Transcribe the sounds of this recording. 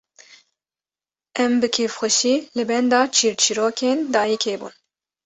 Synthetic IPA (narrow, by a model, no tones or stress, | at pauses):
ɛmbɨkʰeːfxʷɛʃiːlɨbɛnd̪ɑːt͡ʃʰiːɾt͡ʃʰiɾoːkʰeːnd̪ɑːjikʰeːbṵːn